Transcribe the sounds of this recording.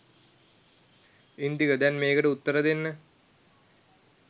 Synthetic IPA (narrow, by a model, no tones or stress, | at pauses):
ind̪iɣɐd̪jaːnmeːɣɐɽeut̪ːɐɾɐd̪enːɨ